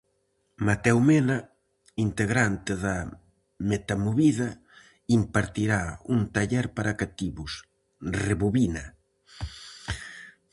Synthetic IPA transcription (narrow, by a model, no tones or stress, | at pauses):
mat̪ɛwmena | int̪eɣɾant̪ɪða | met̪amoβiðɐ | impaɾt̪iɾaunt̪aʎɛɾpaɾakat̪iβʊs | reβuβinɐ